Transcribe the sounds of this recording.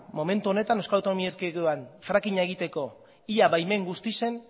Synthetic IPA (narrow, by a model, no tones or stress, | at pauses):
mo̞me̞nt̪uo̞ne̞t̪anewskalawt̪oomieɾkeɣoanfɾakiɲae̞ɣ̞it̪e̞ko̞ | iaβajme̞ŋɡust̪ise̞n